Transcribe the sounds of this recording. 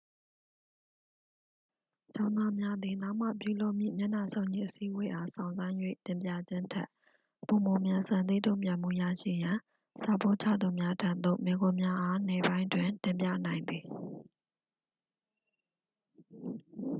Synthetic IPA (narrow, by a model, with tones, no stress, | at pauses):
t͡ɕã˦ʊ̃nd̪a˦mja˦d̪ði˨na˦ʊʔm̥ä̰˦˨pjṵ˦˨lo˦˨ʔm̥jḭ˦˨mja˦˨na˨sʰõ˦ʊ̃ɲḭ˦˨ʔəsi˦ʔəwe˦ʔa˦sã˨ʊ̃nzã˦ɪ̃jwḛ˦˨tɪ̃˨mp̬jä̰˦˨d͡ʑɪ̃˦ntʰa̰˦ʔ | po˨mo˨mjã˨sã˨nt̪̬ḛ˦˨tõ˦ʊ̃mpjã˨m̥ṵ˦˨ja̰˦˨ʃḭ˦˨jã˨ | sa˨bo̰˦˨t͡ɕʰä̰˦˨d̪u˨mja˦tʰã˦˨t̪o̰˦˨me˨ɡʊ̃˨mja˦ʔa˦nɛ˨bã˦ɪ̃twɪ̃˨ntɪ̃˨mpjä̰˦˨nã˨ɪ̃nd̪ði˨